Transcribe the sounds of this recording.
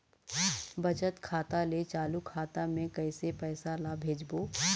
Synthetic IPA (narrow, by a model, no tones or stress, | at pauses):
bɐt͡ʃət̪kʰaːt̪alet͡ʃaːlukʰaːt̪amẽkɐːɪsepɛːsalaːbʱeːd͡ʒboː